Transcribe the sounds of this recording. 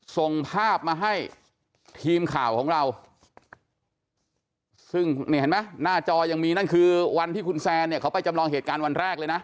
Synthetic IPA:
so˧˩ŋpʰaː˥˩p̚maː˧ɦa˥˩j | t̪ʰiː˧mkʰaː˨˩wkʰɔː˩˦ŋɾa˧w | sɯ˥˩ŋniː˥˩he˦˥nma˦˥jnaː˥˩t͡ɕɔː˧ja˧ŋmiː˧na˥˩nkʰɯː˧wa˧nt̪ʰiː˥˩ku˧nsɛː˧ni˥˩ɐkʰa˦wpa˧jt͡ɕa˧mlɔː˧ŋheː˨˩t̪̚kaː˧nwa˧nɾɛː˥˩k̚lɤː˧jna˦˥

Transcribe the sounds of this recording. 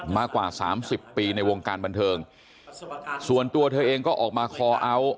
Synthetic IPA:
maː˥˩kwaː˨˩sa̰ː˩˦msi˨˩pːiː˧na˧jwo˧ŋkaː˧nba˧nt̪ʰɤː˧ŋ | su˨˩ənt̪u˧ɐt̪ʰɤː˧ʔeː˧ŋkɔː˥˩ʔɔː˨˩k̚maː˧kʰɔː˨˦ʔa˦˥˩w

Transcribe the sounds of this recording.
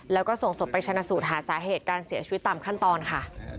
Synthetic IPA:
lɛː˦˥wkɔː˥˩so˨˩ŋso˨˩pːa˧jtʰa˧na˧˥suː˨˩t̪̚ɦaː˩˦saː˩˦ɦeː˨˩t̪̚kaː˧nsi˨˩˦t͡ɕʰi˧˦˥t̪ːaː˨˩mkʰa˥˩nt̪ɔː˧nkʰa˥˩

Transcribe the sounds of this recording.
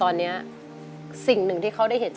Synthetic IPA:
ɔː˧nːi˦˥ɐ | si˨˩ŋnɯ˨˩ŋt̪ʰiː˥˩kʰa˥˩wda˥˩jɦe˩˦nt͡ɕ

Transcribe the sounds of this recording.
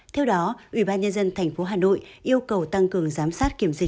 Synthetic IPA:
t̪ʰɛ˧wɗɔ˨˦ʔwi˧˩ɓaː˧nɲə˧nzə˧nt̪ʰɛ˨˩jŋ̟fo˨˦ɦaː˨˩no̰˧˨jʔi˧əwkə˨˩wt̪a˧ŋkɨ˨˩əŋzaː˨˦msaː˦˥t̚ki˧˩əmzï˨˩

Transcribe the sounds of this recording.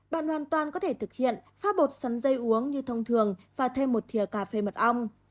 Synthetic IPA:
ɓa̰ː˧˨nhwaː˨˩nt̪waː˨˩nkɔ˨˦t̪ʰe˧˩t̪ʰɨ˨˩k̚hḭ˧˨ənfaː˨˦˥t̚ɓo˨˩t̚sa˨˦nzə˧jʔu˨˦əŋɲɨ˧t̪ʰə˧wŋ͡mt̪ʰɨ˨˩əŋvaː˨˩t̪ʰe˧mːo˨˩t̚t̪ʰi˨˩əkaː˨˧˩fe˨˦mə˨˩t̚ʔə˧wŋ͡m

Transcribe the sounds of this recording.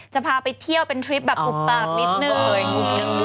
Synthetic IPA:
t͡ɕa˨˩pʰaː˧pa˧jt̪ʰi˥˩əwpe˧nt̪ʰɾi˦˥p̚bɛː˨˩pːu˨˩k̚taː˧˩p̚ni˦˥t̪̚nɯː˧˨˩

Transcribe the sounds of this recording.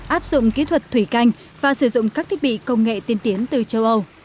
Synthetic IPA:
ʔaː˦˥p̚zʊ̰˧˨ŋ͡mki˨˦t̪ʰwə˨˩t̚t̪ʰwi˧˩ka˧jŋ̟ | vaː˨˩sɨ˧˩zʊ̰˧˨ŋ͡mkaː˦˥k̚t̪ʰi˦˥k̚ɓḭ˧˨kə˧wŋ͡mŋḛ˧˨t̪i˧ənt̪i˨˦ənt̪ɨ˨˩t͡ɕə˧wʔə˧w

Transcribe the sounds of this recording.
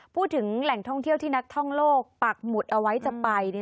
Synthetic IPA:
pʰuː˥˩t̪ʰːɯ˩˦ŋlɛ˨˩ŋt̪ʰɔ˥˩ŋt̪ʰi˥˩əwt̪ʰiː˥˩na˦˥k̚t̪ʰɔ˥˩ŋloː˥˩k̚pa˨˩k̚mu˨˩t̪̚ʔa˧wa˦˥jt͡ɕa˨˩pa˧j

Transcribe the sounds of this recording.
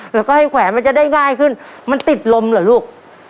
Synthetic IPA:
lɛː˦˥kɔː˥˩ha˥˩jkʰwɛː˩˦ma˧nt͡ɕa˨˩daː˥˩jŋaː˥˩jkʰɯ˥˩nma˧nt̪i˨˩t̪̚lo˧mlaː˨˩˦luː˥˩k̚

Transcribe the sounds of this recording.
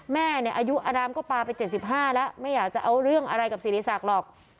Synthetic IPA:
mɛː˥˩ni˧˩əʔaː˧ju˦˥ʔaː˧naː˧mkɔː˥˩paː˧pa˧jt͡ɕe˨˩t̪̚si˨˩p̚ɦaː˥˩lɛ˦˥ʔma˥˩jːaː˨˩k̚t͡ɕa˨˩ʔa˧wɾɯ˥˩əŋʔa˧ɾa˧jka˨˩p̚siː˨˩liː˧saː˨˩k̚lɔː˨˩k̚

